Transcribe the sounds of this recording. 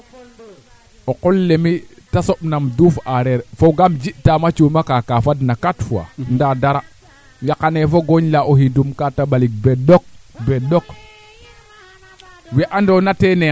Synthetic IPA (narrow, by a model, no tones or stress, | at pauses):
oqɔlːemitasoɓnamdufaɾɛɾfoɡamd͡ʒiʔtamat͡ʃumakakafadnakatfua̰ndadaɾa | jakanɛfoɡoɲlaʔohindumkatabalik̚bɛdɔk̚bɛdok | wɛʔandonatɛnɛ